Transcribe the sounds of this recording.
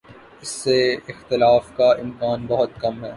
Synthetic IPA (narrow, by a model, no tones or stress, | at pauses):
ɪsːeɪxt̪ɪlaːfkaɪmkaːnbɐɦʊt̪̚kɐmɦɛː